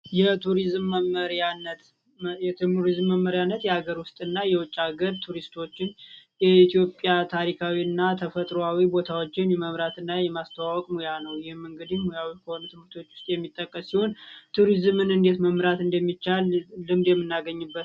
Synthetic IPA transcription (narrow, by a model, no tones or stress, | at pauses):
jɛt̪ʰuɾizmːəməɾanːət̪ | jɛt̪ɨmuɾizmːəmːəɾjanːət̪jɛhaɡəɾwʊst̪ʼɨnːajɛwɔt͡ʃʼːaɡəɾt̪ʰuɾist̪ʰo̞t͡ʃːɪnjɛit̪jo̞pʼjat̪ʰaɾikʰawiɨnːat̪ʰəfət̪ʼɾoawibo̞t̪ʰawo̞t͡ʃːɪnjɛməmɾat̪ɨnːajɛmast̪ʰəwawɔkʼmojanəwjɪhmːɨŋɡɨd̪imojawikʰəho̞nut̪ʰɨmɨɾt̪ʰo̞t͡ʃːwʊ̥st̪ʼjɛmːit̪ʼːəkʼːəsːihont̪ʰuɾizmɨnɨnd̪e̞t̪məmɾat̪ɨnd̪əmːit͡ʃːalːɨmd̪jɛmːɨnːaɡəɲːɨbːət̪